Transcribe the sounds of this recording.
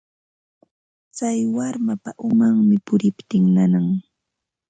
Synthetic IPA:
t͡sajwaɾmapaʔʊmaŋmɪpʊɾɪpt̪ɪŋnanaŋ

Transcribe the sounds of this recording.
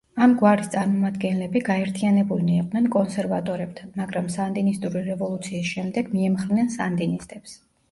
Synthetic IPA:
amɡwaɾist̪sʼaɾmɔmad̪ɡɛnlɛbiɡaɛɾt̪ʰianɛbuliniɛqʼdnɛnkʼɔnsɛɾva̰t̪ʼɔɾɛp̚t̪ʰanmaɡɾamsand̪inist̪ʼuɾiɾɛvɔlˠut̪sʰiːsʃɛmd̪ɛɡmiɛmχɾnɛnsand̪inist̪ʼɛps

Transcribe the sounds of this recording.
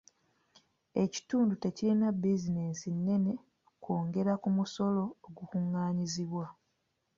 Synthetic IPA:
e̞ci̥tuːndute̞cilinabizinesinːe̞ne̞ | koːŋɡe̞ɾakumuso̞lo̞ːɡukuŋːaːɲiziβwa

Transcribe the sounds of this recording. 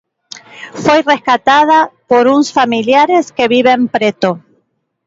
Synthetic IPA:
fwejre̞skat̪aðapoɾunsfamiljaɾe̞ske̞βiβe̞mpɾet̪o

